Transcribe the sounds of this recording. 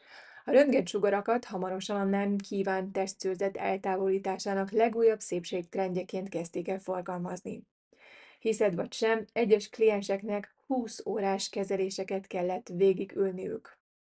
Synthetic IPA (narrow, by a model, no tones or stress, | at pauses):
ɒɾønɡɛt̪ʃuɡɒɾɒkɒt̪hɒmɒɾo̞ʃɒnɒnːɛmkʰiːvaːnt̪ɛst̪søːzɛt̪ɛ̰lt̪aːvo̞liːt̪aːʃaːnɒklɛɡuːjːɒbseːpʃeːk̚t̪rɛnɟɛkeːnt̪kɛst̪eːkɛlfo̞rɡɒlmɒznḭ | hisɛt̪ʋɒcʃɛmɛɟːɛʃklijɛnʃɛknɛk | huːsoːɾaːʃkɛzɛleːʃɛkɛt̪kɛlːɛt̪ʋeːɡiɡylniø̰ːk